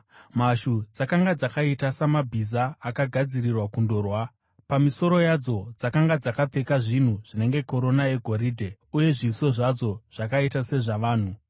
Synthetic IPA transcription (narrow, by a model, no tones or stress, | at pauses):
maʃud͡zakaŋɡad͡zakaitasamabʱizaːkaɡʱad͡zirirwakundo̞rwa | pamiso̞ɾo̞jad͡zo̞d͡zakaŋɡad͡zakap͡fe̞kaʐin̤uʐ̥ine̞ŋɡe̞ko̞ɾo̞naje̞ɡʱo̞ɾiːdʱe̞ | uje̞ʐiso̞ʐad͡zo̞ʐ̥akaitase̞ʐaʋaːn̤u